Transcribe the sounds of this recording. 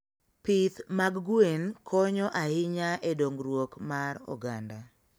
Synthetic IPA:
pɪt̪maɡɡwenkʰɔɲɔʔahɪɲaʔɛdoŋɡɾwokmarɔ̰ɡanda

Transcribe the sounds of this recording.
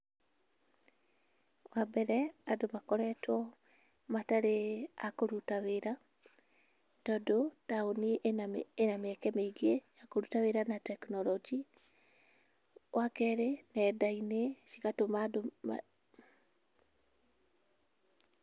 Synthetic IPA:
wabɛɾɛadomakɔɾɛtwɔ | mataɾeakoɾutaweɾa | tɔdotaonienameɛkɛmeiɡejakoɾutaweɾanatɛknɔlɔd͡ʒi | wʔakɛɾenɛdaineʃikatomado

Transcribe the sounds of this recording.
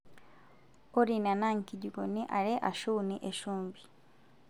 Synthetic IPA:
oɾinanaŋkiɟiɡoniʔaleʔa̰ʃuːniʔeʃuːmbi

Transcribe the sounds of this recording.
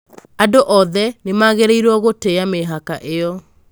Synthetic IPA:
adoʔɔðɛnemaɣeɾeiɾwɔɣoteameɦakaʔejɔ

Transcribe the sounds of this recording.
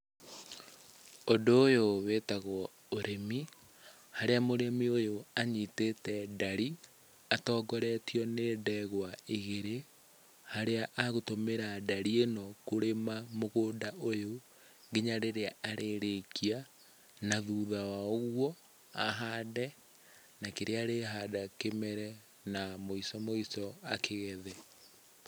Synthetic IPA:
ondoːjowetaɣwɔ | oɾemi | haɾeamoɾemiojoaɲitetɛdaɾi | atɔːɡɔɾɛtiɔneːdɛɣwaeɣeɾe | haɾeaʔaɣotomeɾadaɾienɔkoɾemamoɣoːdaʔojo | ɡeɲaɾeɾeaaɾʔeɾekia | naðuːðawaoɣwɔ | a̰ɦaːdɛ | nakeɾeaɾeɦaːdakemɛɾɛ | namoisɔmoisɔakeɣɛðɛ

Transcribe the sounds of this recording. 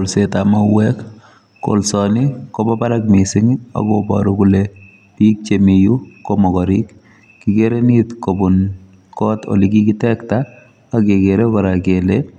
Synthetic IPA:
lsetamawɛk | ko̰lsɔnikobabaɾak̚misɪŋa̰kɔbɔ̰ɾukule | pik̚t͡ʃemijukomɔkɔɾik | kikeɾenitkobun | kɔto̰likikitɛktaː | kekeɾekɔɾakele

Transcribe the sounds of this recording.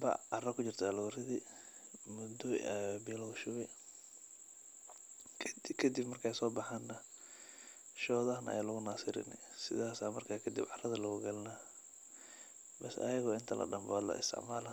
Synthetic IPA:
bɐ̰ɑrɐkʰʊt͡ʃɪrt̪ʰɐluɾɪðɪ | mʊd̪ɔbɪɔlɔɣʃʊβɪ | kʰd̪kʰɐd̪ibmɐrkʰɛjsɔːbɑħaːnːɐ | ʃɔːðɐɦɐnʔɐ̰jaːlʊɣʊnasɪɾɪ̰nɪsɪðaːsaːmɐrkʰaːkʰɐd̪ibʕɑrɐðɐlɐɣʊɡɐlna | bɛsɐ̰jɐɣɔːɪnt̪ʰɐlʔɐ̰ɖɐmbalɐ̰ɪ̰st̪ʰɪ̰ʕmaːlɐ

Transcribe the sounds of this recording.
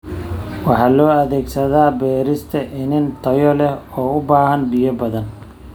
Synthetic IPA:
wɑħɑːlɔːɐðɛːɡsɐðaːbɛːɾɪst̪ʰɐʔɪnɪnt̪ʰɐjɔlɛhɔːʊbaːhɐnbijɐbɐðɐn

